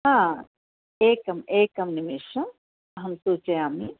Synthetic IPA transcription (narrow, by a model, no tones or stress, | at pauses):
ɦã | eːkɐmeːkɐmnimiʃɐ | ɦɐmsuːt͡ʃeaːmi